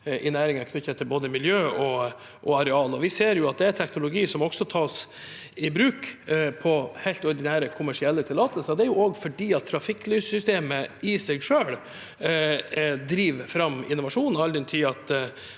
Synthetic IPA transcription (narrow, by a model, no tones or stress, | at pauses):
ʔɪnæːɾɪŋɑkʰnʏçːət̪ʰːɪlboːd̪əmɪljøːɔ | ʔɔɑɾɛɑːlɔʋɪseːɾjʊɑt̪̚d̪ɛæɾt̪ʰɛknʊlʊɡiːsɔmɔɡ̥sɔt̪ʰɑːs | ɪbɾʉːkpʰɔhæɪlt̪ɔɾɖ̪ɪnæːɾəkʰʊmæʂɪɛlːət̪ʰɪlɑːt̪əlsəɾd̪ɛæɾjʊɔːɡfɔɖiːɑt̪ʰːɾɑfɪklyːssʏst̪eːməɪsɛɡʂøːɽ | d̪ɾiːʋfɾɑmːɪ̰nːʊʋɑʂuːnn̩ɑld̪ɛnt̪ʰiːɑt̪